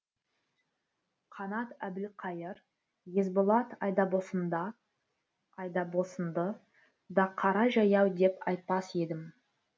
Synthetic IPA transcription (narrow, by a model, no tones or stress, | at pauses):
qʰɑnɑt̪æbɪlqʰɑjəɾ | je̞zbolˠɑt̪ɑjd̪ɑbosənd̪ɑ | ɑjd̪ɑbo̞sənd̪ə | d̪ɑqʰːɑɾɑʒɑjɑwd̪e̞pɑ̰jt̪̚pɑse̞d̪ɪm